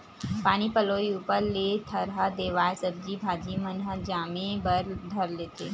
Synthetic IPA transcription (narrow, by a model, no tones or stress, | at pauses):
paːɽ̃ipɐloːiuːpəɾlet̪ʰəɾɦad̪eːʋaːesəb̚d͡ʒibʱaːd͡ʒimənɦəd͡ʒaːmẽbəɾd̪ʱəɾleːt̪ʰḛː